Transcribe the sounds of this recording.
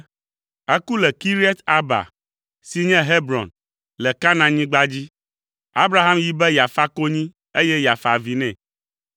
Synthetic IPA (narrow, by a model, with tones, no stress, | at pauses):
ɛ˦ku˦lɛ˨ki˦ɾi˦ɛ˦t̪a˨ba̰˨ | si˨ɲɛ̃˦ɦe˦bɾɔ̰˨n | lɛ˨ka˦nã˨ɲĩ˦ɡ͡ba˦d͡ʑi˦ | a˦bɾa˨˦ɦa˦mji˨bɛ˦ja˨fa˦ko˦ɲĩ˦ | e˦jɛ˦ja˨fa˨vi˨nɛ̃˨